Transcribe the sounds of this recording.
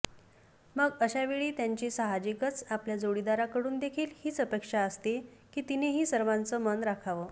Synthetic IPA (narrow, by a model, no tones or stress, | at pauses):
məɡəɕaʋeɭiːt̪jaɲt͡ɕiːsəɦad͡ʑikət͡sapljad͡zoɽid̪aɾakəɽuːnd̪ekʰiːlhiːt͡səpekʂaəst̪ekiːt̪ineɦiːsəɾʋãnt͡səːmənɾakʰaʋəː